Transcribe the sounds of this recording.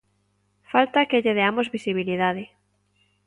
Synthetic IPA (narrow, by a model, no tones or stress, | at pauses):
falt̪akeʎeðeamozβisiβ̞iliðaðɪ